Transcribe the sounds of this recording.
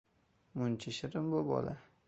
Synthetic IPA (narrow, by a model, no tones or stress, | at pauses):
mʊnt͡ʃʰɪʃɪɾɪmbobɒ̰la